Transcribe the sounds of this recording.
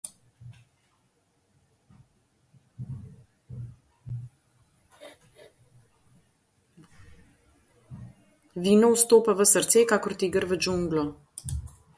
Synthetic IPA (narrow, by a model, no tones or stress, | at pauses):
ʋiːnɔwst̪oːpaʋəsəɾt̪sekakɔɾt̪iːɡəɾʋəd͡ʒuŋɡlɔ